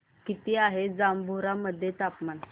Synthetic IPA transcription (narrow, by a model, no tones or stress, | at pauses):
kit̪iaɦed͡zambʱuɾaməd̪ʱːjet̪apman